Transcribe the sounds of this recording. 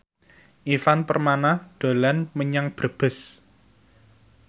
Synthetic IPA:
ʔifanpərmanahɖ̪̥o̤lɛnməɲaŋb̥ɾə̤b̥ə̤s

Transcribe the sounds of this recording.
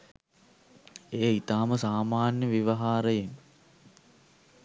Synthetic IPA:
eːit̪aːməsaːmaːnjəʋiʋɐɦaːɾəjen

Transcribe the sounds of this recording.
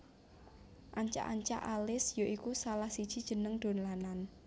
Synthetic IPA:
ʔaɲt͡ʃa̰ʔaɲt͡ʃa̰ʔalɪsjoʔikusalahsid̥ʒ̥i̤d̥ʒ̥ə̤nəŋd̪̥o̤nlanan

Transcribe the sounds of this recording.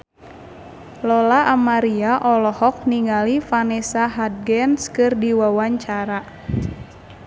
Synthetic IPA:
lɔlaʔamaɾiaʔɔlɔhɔk̚niŋalifanɛsaɦad̪̚ɡɛnskɨrdiwawaɲt͡ʃaɾa

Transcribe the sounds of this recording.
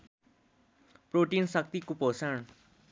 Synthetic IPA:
proʈinsʌk̚t̪ikoposan

